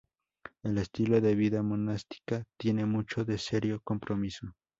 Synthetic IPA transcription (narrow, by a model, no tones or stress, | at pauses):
e̞lest̪ilo̞ðe̞βiðamo̞nast̪i̥kat̪je̞ne̞mut͡ʃo̞ðe̞se̞ɾjoko̞mpɾʔo̞miso